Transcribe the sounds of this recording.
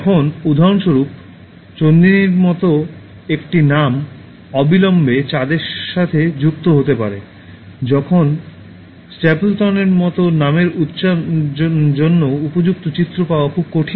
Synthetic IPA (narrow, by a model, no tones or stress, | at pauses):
kʰonud̪ʱaɾonʃoɾup̚ | t͡ɕond̪iniɾmɔt̪o | ekʈinam | ɔbilɔmbet͡ɕad̪eɾʃat̪ʰed͡ʑuk̚t̪oɦot̪epa̰ɾe | d͡ʑɔkʰon | sʈeplʈɔneɾmɔt̪onameɾut̪ːʃa | d͡ʑonːoupod͡ʑuk̚t̪ot͡ɕit̪ːɾopaoakʰub̚koʈʰi